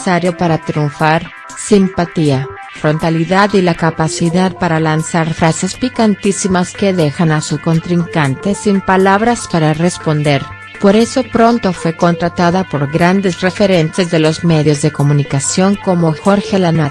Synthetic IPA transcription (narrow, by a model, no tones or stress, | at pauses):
saɾjo̞paɾat̪ɾjuɱfaɾ | simpat̪ia | fɾo̞nt̪aliðaðilakapasiðaðpaɾalansaɾfɾase̞spikant̪isimaske̞ðe̞xanasuko̞nt̪ɾiŋkant̪e̞simpalaβɾaspaɾare̞spo̞nd̪e̞ɾ | po̞ɾe̞so̞pɾo̞nt̪o̞fwe̞ko̞nt̪ɾat̪aðapo̞ɾɣɾand̪e̞sre̞fe̞ɾe̞nt̪e̞zðe̞lo̞zme̞ðjo̞zðe̞ko̞mũnikasjo̞ŋko̞mo̞xo̞ɾxelanað